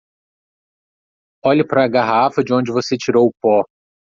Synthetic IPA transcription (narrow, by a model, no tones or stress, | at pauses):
ɔʎɐpɾɐːɡaɦafɐd͡ʒɪõnd͡ʒɪvoset͡ʃiɾowʊpɔ